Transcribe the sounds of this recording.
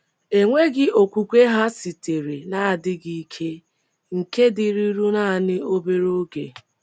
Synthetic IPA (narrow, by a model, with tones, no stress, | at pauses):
e˨ŋʷe˦ɡɪ˦o˨kʷu˨kʷe˦ɦa˦si˨te˨ɾe˨na˨a˨dɪ˦ɡi˦kʰe˦ | ŋ̩˨ke˦dɪ˨ɾi˦ɾu˦na˦˨nɪ˦o˦be˦ɾo˦ɡe˨